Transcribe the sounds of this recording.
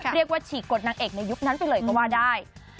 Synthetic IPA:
ɾi˥˩ək̚waː˥˩t͡ɕʰiː˩˦ko˨˩t̪̚naː˧ŋʔeː˨˩k̚na˧jːu˦˥k̚na˦˥npa˨˧jlɤː˧˩jkɔː˥˩waː˥˩daː˥˩j

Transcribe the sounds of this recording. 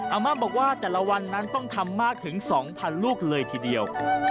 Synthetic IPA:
ʔa˧maː˥˩bɔː˨˩k̚waː˥˩t̪ɛː˨˩la˧wa˧nːa˦˥nt̪ɔ˥˩ŋt̪ʰa˧mːaː˥˩k̚t̪ʰɯ˩˦ŋsɔː˩˦ŋpʰa˧nluː˥˩k̚lɤː˧jt̪ʰiː˧˩di˧əw

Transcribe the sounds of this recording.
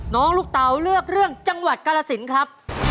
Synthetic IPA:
nɔː˦˥ŋluː˥˩k̚t̪a˨˦wɾɯ˥˩ək̚ɾɯ˥˩əŋt͡ɕa˧ŋwa˨˩t̪̚ka˧la˧si˩˦nkʰɾa˦˥p̚

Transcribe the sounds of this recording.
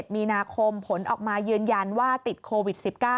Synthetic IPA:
t̪̚miː˧naː˧kʰo˧mpʰo˩˦nʔɔ̰ː˨˩k̚maː˧jɯː˧nja˧nwaː˥˩t̪i˨˩t̪̚kʰoː˧wi˨˩t̪̚si˨˩p̚kaː˥˩

